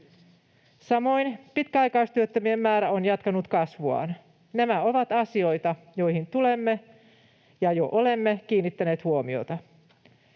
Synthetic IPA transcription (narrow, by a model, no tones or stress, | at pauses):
sɑmo̞inpit̪kæɑjkɑist̪yøt̪ːømiemːæːɾæonjɑt̪kɑnut̪kɑsʋuɑ̰n | næmæo̞ʋɑt̪ɑsio̞jt̪ɑ | jo̞jhint̪ule̞mːe | jɑjoʔolemːekiːnːit̪ːæne̞ːt̪huomio̰t̪ɑ